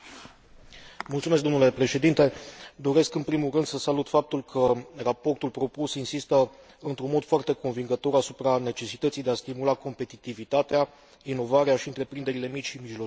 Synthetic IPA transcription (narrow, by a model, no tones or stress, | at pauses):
mult̪sumeskd̪onule̞pɾe̞ʃe̞d̪int̪e̞d̪o̞ɾe̞skɨnpɾimulrɨnd̪səsalut̪fap̚t̪ulkʰərapo̞rt̪ulpɾo̞pusinsist̪ə | ɨnt̪ɾunmo̞d̪̥foart̪e̞ko̞nviŋɡət̪o̞ɾasupɾane̞t͡ʃe̞sit̪ət̪sijd̪east̪imulako̞mpe̞t̪it̪ivit̪at̪ea | ino̞vaɾeaʃiɨnt̪ɾe̞pɾind̪e̞ɾile̞mit͡ʃʲʃimiʒlo